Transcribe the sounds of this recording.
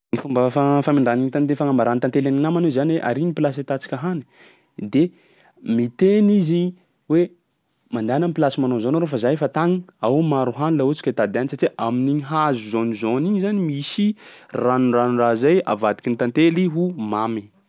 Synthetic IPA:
nifumbəfafamiɳɖ͡ʐaniɲit̪ant̪elfaŋambaɾant̪ant̪elʲaninamanozanweʔa̰ɾinipilaset̪at͡si̥kʲaɦani̥ | d̪e | mit̪enizi | we | mand̪anamipilasimanozonoɾofazajfat̪aŋiawmaɾuɦanulaut͡si̥kat̪ad̪anisaʈ͡ʂiʔaminiɲɦazuzonizoniɲzanimisiranunranunrazaja̰vad̪i̥kʲint̪ant̪eliɦumami

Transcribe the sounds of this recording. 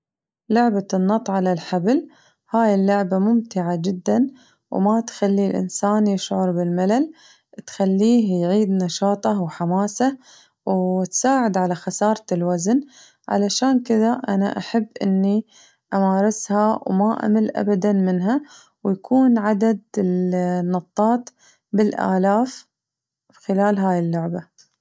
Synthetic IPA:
lʊʕbanːɑt̪ˤʕalalħabl | haːjɪlːʊʕbamʊmt̪ɪʕad͡ʒɪd̪ːan | wmat̪xalːilʔɪ̰nsaːnjɪʃʕʊɾˤbɪlmalal | t̪xalːiːɦjʕiːd̪nɑʃɑːt̪ˤɑwħamaːsa | wt̪saːʕɪd̪ʕalaxasɑːɾˤɪlwazn | ʕa̰laʃaːnkɪðaʔa̰na̰ʔaħabːʔɪ̰nːi | ʔamaːɾˤɪshawmaʔa̰malʔa̰bad̪anmɪnɦa | wjakʰuːnʕad̪ad̪ɪlnːɑt̪ˤːɑːt̪ˤ | bɪlʔa̰ːlaːf | xɪlaːlɦaːjɪlːʊʕba

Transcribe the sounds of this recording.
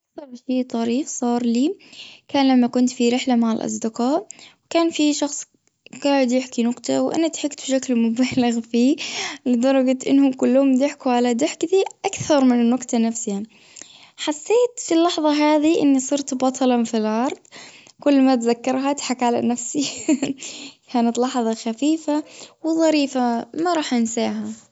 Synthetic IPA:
ʔaksɑɾˤʃiːt̪ˤɑɾiːfsˤɑːɾˤliːkaːnlamːakʊnt̪fiɾɪħlamaʕɪlʔɑ̰sˤd̪ɪqɑːʔwkaːnfiʃɑxsˤ | ɡ̥aːʕɪd̪jɪħkinʊqt̪awʔa̰nat̪ħɪkt̪bʃaklmʊbaːlɪɣfiːlɪd̪ɑɾˤɑɡat̪ʔɪnːhʊmkʊlːhʊmd̪ɪħkuʕalad̪ɪħkd̪iʔakθɑɾˤmɪnɪnːʊqt̪anafsɪja | ħasːeːt̪filːɑħðˤɑɦaːðiʔɪ̰nːisˤɨɾt̪bɑt̪ˤʰɑlɑfilʔɑɾˤd̪ˤ | kʊlːmat̪zakːɑɾˤɦat̪ħakʕala̰nafsi | kʰaːnat̪lɑħðˤɑxafiːfawɪðˤɑɾiːfamaɾˤɑːħʔɪnsaːʕɦa

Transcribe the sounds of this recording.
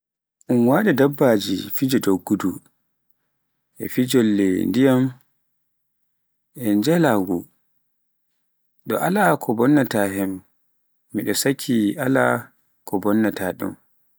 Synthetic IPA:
ʔunwaɗɛdabːad͡ʒḭfid͡ʒɔdoɡːudu | ʔɛ̰fid͡ʒɔlːɛndijam | ʔɛd͡ʒɛlaɡɔ | ɗɔ̰ʔalakʰɔbɔnːataɦɛmː | iɗɔsakʰːiʔala̰ | kɔbɔnːataɗṵm

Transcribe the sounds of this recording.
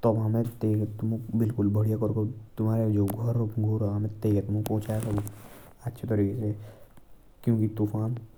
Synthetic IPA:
t̪ɔbɦamẽt̪eːket̪ʊmũbɪlkʊlbʱəɽijakɔɾkot̪ʊmaːɾed͡ʒoɡʱɔɾupɡʱoːɾɦɐmẽt̪ekɛt̪ʊmũpɔɦt͡ʃajat̪ɔb | ɐtːʃʰet̪əɾiːkese | kjõːkit̪ufʰaːn

